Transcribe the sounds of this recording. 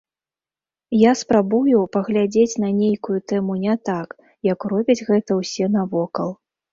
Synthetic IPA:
jaspɾabujupɐɣlʲad͡zʲet͡sʲn̪ɐnʲejkujut̪ɛmunʲɛt̪ak | jɐkrɔbʲid͡zʲɣɛt̪ɐwsʲɛnavɔkɐlˠ

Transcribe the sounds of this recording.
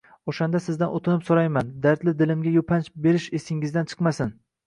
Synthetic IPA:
oʃand̪asɪzd̪anot̪ʰɪnɪpsoɾajmand̪aɾt̪lɪd̪ɪlɪmɡʲajopʰant͡ʃbe̞ɾɪʃesɪŋɪzd̪ant͡ʃʰɨ̥qmasɪn

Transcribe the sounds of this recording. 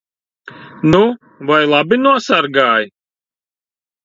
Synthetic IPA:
nu | vajlˠabinuɔsaɾɡaːj

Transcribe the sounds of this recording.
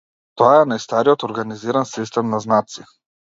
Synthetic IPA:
t̪ɔaɛnajst̪aɾiɔt̪ɔɾɡaniziɾansist̪ɛmnaznat̪si

